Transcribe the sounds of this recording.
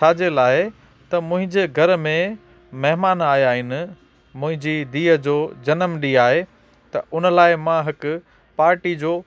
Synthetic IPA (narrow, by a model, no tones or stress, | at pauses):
t͡ɕʰaːd͡ʑelaːɪ | t̪ɐmʊ̃ɦɪ̃ɲd͡ʑeːɡʱɐɾmẽ | mɐɦɪmaːnaːjaːɦɪnɪ̆ | mʊ̃ɦɪ̃ɲd͡ʑid̪iːɦəd͡ʑoːd͡ʑɐnəmɗiːaːɦe | t̪ɐʔʊnəlaːɪmãɦɪkʊ | paːɾʈid͡ʑoː